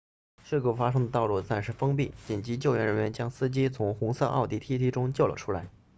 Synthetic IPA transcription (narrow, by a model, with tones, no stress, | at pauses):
ʂ̩˥˩ku˥˩fa˥ʂɤ˥ŋd̪ə˧t̪ɑ˥˧ʊlu˥˩sa˥˧nʂɻ̩˥˩fɤ˥ŋpi˥˩t͡ɕi˨˩nt͡ɕi˧˥t͡ɕjo˥˩ʊɥɛ˧˥nɻə˧˥nɥɛ˧˥nt͡ɕjɑ˥ŋsɹ̩˥t͡ɕi˥t͡sʰʊ˧˥ŋxʊ˧˥ŋsɤ˥˧ʔɑ̰˥˧ʊt̪i˥˩t̪ʰi˥t̪ʰi˧˥ʈ͡ʂʊ˥ŋt͡ɕjo˥˩ʊlə̰˩ʈ͡ʂʰu˥la˧˥ɪ